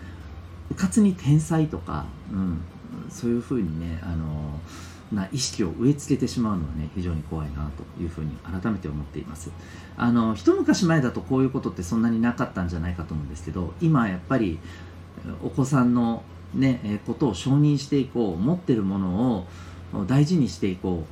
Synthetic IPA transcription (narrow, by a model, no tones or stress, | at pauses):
bɯ̟kat͡sɨɲ̟it̪ʰẽ̞ɰ̃sait̪o̞ka̰ɯ̟̃ɴ | so̞ːjɯ̟ɸɯ̟ːɲ̟ine̞ano̞ | maʔiɕi̥kʲio̞̰ʔɯ̟e̞t͡sɨ̥ke̞t̪e̞ɕimaɯ̟no̞βane̞çiʑo̞ːɲ̟iko̞βainat̪o̞jɯ̟ːɸɯ̟ːɲ̟ḭaɾat̪ame̞t̪e̞omo̞t̪ːe̞̰ḭma̰sɨ̥ | a̰no̞çi̥t̪o̞mɯ̟kaɕimae̞d̪at̪o̞ko̞ːjɯ̟ːko̞t̪o̞t̪ːe̞sõ̞nːaɲ̟inakat̪ːãɲ̟d͡ʑanaikat̪o̞mõ̟ːnd̪e̞sɨ̥ke̞d̪o̞imajapːaɾʲi | o̞̰ko̞sãnːo̞ | ne̞ko̞t̪o̞ːɕo̞ːɲ̟ĩɰ̃ɕi̥t̪e̞iko̞ːmo̞t̪ːe̞ɾɯ̟mo̞no̞ː | d̪aiʑiɲ̟iɕi̥t̪e̞iko̞ː